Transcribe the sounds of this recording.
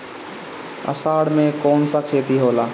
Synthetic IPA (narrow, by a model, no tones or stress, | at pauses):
ə̰saːɽmẽkɔːnsakʰeːt̪iɦoːla